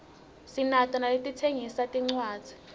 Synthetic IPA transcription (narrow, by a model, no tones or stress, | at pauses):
sinatʼɔnalitʼitʰeŋisatʼiŋ͡ǀwaːd̥d͡z̥ʱi̥